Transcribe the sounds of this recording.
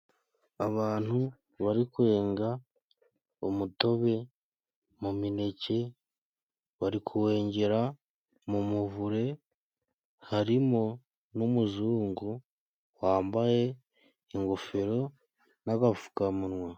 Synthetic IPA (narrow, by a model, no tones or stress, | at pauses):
aβaːn̥hu | βaɾikwe̞ːŋɡa | umuto̞βe̞ | mumine̞ce̞ | βaɾikʰuwe̞ːɲɟe̞ɾa | mumuvuɾe̞ | haɾimo̞ | numuzuːŋɡu | waːmbaje̞ | iŋɡofe̞ɾo̞ | naɡafu̥kamunŋwa